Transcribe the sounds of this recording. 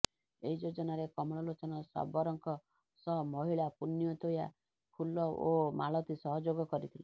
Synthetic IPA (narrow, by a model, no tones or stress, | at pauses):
eɦid͡ʒod͡ʒɔnaɾekɔmɽ̃ɔlot͡ʃɔnɔsɔ̰bɔɾɔŋkɔ | sɔɦmɔɦiɭapunjɔt̪oja | kʰulɔomalɔt̪isɔɦɔd͡ʒoɡɔkɔɾit̪ʰile